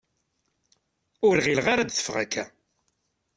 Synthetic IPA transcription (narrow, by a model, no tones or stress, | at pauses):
ʊɾʁilʁaɾad̪θə̥fʁæ̰kʰːæ